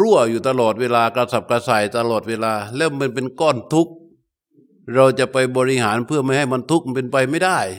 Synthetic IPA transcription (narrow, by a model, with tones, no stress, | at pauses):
ɾu˥˩ɐəjuː˨˩t̪a˧lɔː˨˩t̪̚weː˧laː˧ka˧sa˧˩p̚kaː˧saː˨˩jt̪a˧lɔː˨˩t̪̚weː˧laː˧lɛː˦˥wma˧˥˨np̬e˧nkɔː˧˥˩nt̪ʰu˦˥k̚ | ɾa˧wt͡ɕa˨˩ʔpa˧jbɔː˧ɾi˧haː˩˦npʰɯ˥˩ɐma˥˩jha˧˩jma˧˨nt̪ʰu˦˥k̚pe˧npa˧jma˥˩jda˥˩j